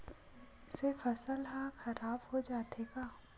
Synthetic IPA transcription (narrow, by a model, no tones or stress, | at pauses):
ɪsefɐsəlɦaxɐɾaːbhod͡ʒaːt̪eːɡaː